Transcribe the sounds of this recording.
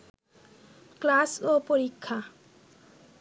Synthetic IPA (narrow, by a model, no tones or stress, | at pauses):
klasopoɾikʰːa